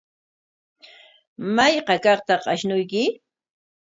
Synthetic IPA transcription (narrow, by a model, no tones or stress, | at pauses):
majqɑkɑχt̪ɑqɑʃnʊjkɪ